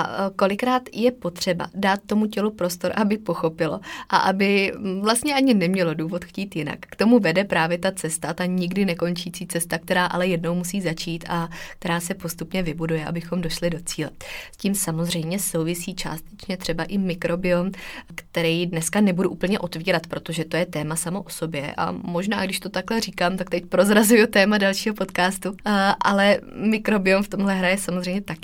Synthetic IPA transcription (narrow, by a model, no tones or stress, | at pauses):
ako̞lɪkɾaːt̪jɛpo̞t̪r̝̥ɛba̰daːt̪̚ːo̞mucɛlupɾo̞st̪o̞ɾʔabɪpo̞xo̞pɪlo̞̰ʔa̰ʔabɪvlast̪ɲɛʔaɲɪnɛmɲɛlo̞duːvo̞t̪xciːt̪jɪna̰kːt̪o̞muvɛdɛpɾaːvjɛt̪at͡sɛst̪at̪aɲɪɡdɪnɛko̞nt͡ʃiːt͡siːt͡sɛst̪ak̚t̪ɛɾaːʔalɛjɛdno̞wmusiːzat͡ʃiːt̪akt̪ɛɾaːsɛpost̪upɲɛvɪbudujɛʔa̰bɪxo̞mdo̞ʃlɪdo̞t͡siːlɛsciːmsamozr̝ɛjmɲɛso̞wvɪsiːt͡ʃa̰ːst̪ɛt͡ʃɲɛt̪r̥ɛbaʔɪmɪkɾo̞bɪomkt̪ɛɾɛjdnɛskanɛbuduʔuːpl̩ɲɛʔo̞t̪viːɾat̪pɾo̞t̪o̞ʒɛt̪o̞jɛt̪ɛːmasamo̞ʔoso̞bjɛʔa̰mo̞ʒnaːɡdɪʃt̪o̞t̪aklɛriːkaːmt̪ak̚t̪ɛcpɾo̞zɾazujut̪ɛːmadalʃiːɦopo̞t̪kaːst̪uʔalɛmɪkɾo̞bɪomft̪omɦlɛɦɾajɛsamozrɛjmɲɛt̪ak